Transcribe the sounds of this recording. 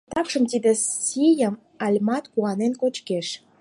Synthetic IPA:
t̪ɑkʃə̆mt̪id̪ĕijəm | ɑlʲmɑt̪kuɑnenkot͡ɕkeʃ

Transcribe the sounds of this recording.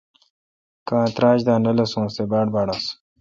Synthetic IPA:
kãːt̪ɾaːʑd̪aːnɐlɐsũːst̪ebaːɽbaːɽas

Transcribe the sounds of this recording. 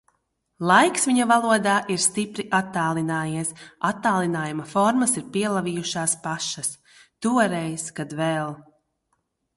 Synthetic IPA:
lˠajksviɲɐvalˠuɔd̪aːʔiɾst̪ipɾiʔat̪ːaːlˠinaːjiɛsat̪ːaːlˠinaːjumafɔɾmɐsiɾpiɛlˠavijuʃaːspaʃɐs | t̪uɔɾɛjskad̪vɛlˠ

